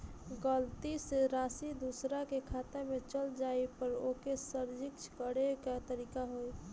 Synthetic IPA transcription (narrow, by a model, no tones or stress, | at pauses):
ɡəlt̪iseɾasid̪usɾakekʰat̪amet͡ʃəld͡ʒaepəɾokesəɾd͡ʒikt͡ʃʰkəɽekat̪əɾikaɦoj